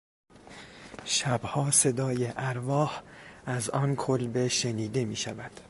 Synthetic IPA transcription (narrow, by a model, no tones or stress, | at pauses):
ʃæbhɒːse̞d̪ɒːjeʔæɾvɒːhʔæzɒːnkʰolbe̞ʃe̞niːd̪e̞miːʃævæd̪̥